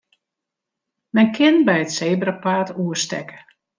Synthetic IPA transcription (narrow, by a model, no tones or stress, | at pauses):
mɛnkʰɪnbɛjətseːbrəpaːtuəstɛ̰kə̥